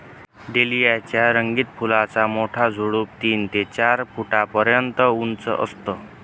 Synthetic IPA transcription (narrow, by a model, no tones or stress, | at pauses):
ɖelijat͡ɕjaɾəŋɡiːt̪̚pʰulat͡samoʈʰad͡zʱoɽuːp̚t̪iːnt̪et͡ɕaɾpʰuʈapəɾjənt̪əunt͡sə̰ʔə̰st̪ə